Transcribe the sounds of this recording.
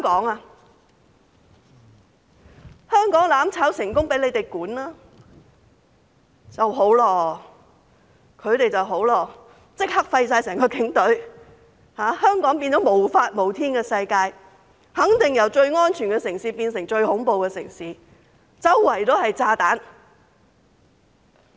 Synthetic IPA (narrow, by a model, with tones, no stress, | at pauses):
kɔː˨˥ŋa˧ | hœː˥ŋkɔː˨˥ŋlaː˨˥mt͡sʰaː˨˥wsɪ˨˩ŋkʊ˥ŋpe˨˥jle˨˧jt̪e˨˩jkuː˨˥nlaː˥ | t͡sɐ˨wɦo˨˥wlɔː˧ | kʰɵ˨˧ɥt̪e˨jt͡sɐ˨wɦo˨˥wlɔː˧ | t͡sɪ˥k̚hɐ˥k̚fɐ˧jsaː˧jsɛː˨˩ŋkɔː˧kɪ˨˥ŋt̪ɵ˨˥ɥ | haː˨˥hœː˥ŋkɔː˨˥ŋpiː˧nt͡sɔː˨˥mo˨˩wfaː˧t̚mo˨˩wt̪ʰiː˥nkɛ˧sɐ˧jkaː˧j | hɐ˨˥ŋt̪ɪ˨ŋjɐ˨˩wt͡ʃɵ˧ɥŋɔː˥nt͡ʃʰyː˨˩nkɛ˧sɪ˨˩ŋsiː˨˧piː˧nsɪ˨˩ŋt͡ʃɵ˧ɥhʊ˨˥ŋpo˨wkɛ˧sɪ˨˩ŋsiː˨˧ | t͡sɐ˥wːɐ˨˩jt̪oː˥hɐ˨jt͡saː˧t̪aː˨˥n